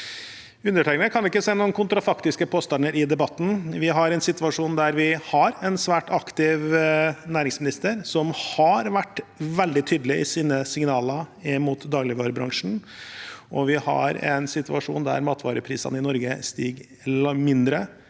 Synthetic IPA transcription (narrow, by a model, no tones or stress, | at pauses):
ʉnːəʈʰæɪknəkʰɑnd̪ɛɪkːəsæɪnuːənkʰʊnt̪ɾɑfɑkt̪ɪskəpʰoːst̪ɑnəɾɪd̪ɛbɑt̪ːn̩ʋɪɦɑɾɛnsɪt̪ʋɑʂuːnd̪æɾʋɪhɑɾɛnsʋæːʈɑkt̪ɪʋnæːɾɪŋsmɪnɪst̪əɾsɔmhɑɾʋæʈːʋɛld̪ɪt̪ʰyːd̪lɪɪ̰siːnəsɪŋnɑːləɪmuːt̪d̪ɑːɡlɪʋɑːɾbɾɑŋʂn̩ | ʔɔʋɪhɑ̰ɾɛ̰nsɪt̪ʉɑʂṵːnd̪æ̰ɾmɑːt̪ʰʋɑ̰ːɾəpʰɾḭːsɑ̰nəɪnɔɾɡəst̪iːɡ | mɪnd̪ɾə